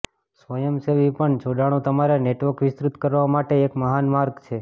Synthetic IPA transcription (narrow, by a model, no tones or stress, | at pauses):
sʋəjəmseʋipəɳt͡ʃʰoɖaɽ̃ũt̪əmaɾaneʈʋəɾkʋɪst̪ɾut̪kəɾʋamaʈeːkməɦanmaɾɡt͡ʃʰe